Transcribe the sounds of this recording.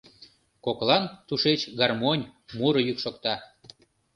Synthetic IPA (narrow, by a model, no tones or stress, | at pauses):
koklɑnt̪uʃet͡ɕɡɑrmonʲmuɾəjykʃokt̪ɑ